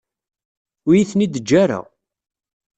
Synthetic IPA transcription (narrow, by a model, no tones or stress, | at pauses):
ʊjiθnid̪əd͡ʒːaɾa̰